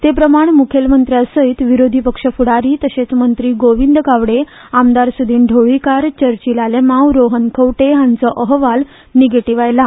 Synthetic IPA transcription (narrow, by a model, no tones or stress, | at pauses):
t̪epɾəmaɳ̃mukʰelmənt̪ɾjasəit̪ʋiɾod̪ʱipəkʂəfuɽaɾiːt̪əɕet͡smənt̪ɾiːɡoʋind̪əkaʋɽe | amd̪aɾsud̪ʱiːnɖʱoɭikaɾt͡ɕəɾt͡ɕilalemãwɾoɦənkʰəwʈeɦãnt͡sɔʔəɦʋal | niɡeʈiʋajla